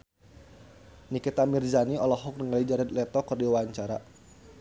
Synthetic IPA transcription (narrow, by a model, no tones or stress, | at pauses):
nikit̪amirzaniɔlɔɦɔk̚nəŋalid͡ʒaɾɛt̪̚lɛt̪ɔkərdiwaɲt͡ʃaɾa